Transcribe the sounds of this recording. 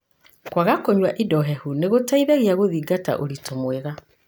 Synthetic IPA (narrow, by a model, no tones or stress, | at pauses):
kwaɣakoɲwaʔidɔɦɛhuneɣotaiðɛɣiaɣoðiːɡata̰ʔoɾitʰomweɣa